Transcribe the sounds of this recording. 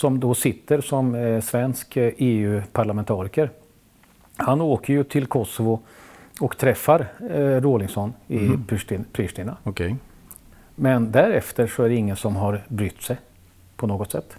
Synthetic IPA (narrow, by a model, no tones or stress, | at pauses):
sɔmd̪ɔsɪt̪ːəɾsɔmsvɛnskeːʉ̟ːpʰaɭamɛnt̪ʰɑːɾɪkəɾ | hanoːkʰəɾjɵt̪ʰɪlkʰɔsɔvʊɔkt̪ʰɾɛfːaɾɾolɪŋsɔnːɪpʰʂʈːpʰɾɪʂʈ̪ɪnaɔkʰ | mɛnd̪æɾɛft̪əɾʂɔæɖɛɪŋːənsɔmɦaɾbɾʏt̪ːsɛj | pʰɔnoːɡɔt̪sɛ̰t̪ː